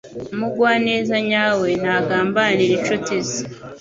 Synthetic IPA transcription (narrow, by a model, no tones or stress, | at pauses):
muɡwaːne̞ːzaɲaːwe̞naːɡaːmbaniɾet͡ʃotezi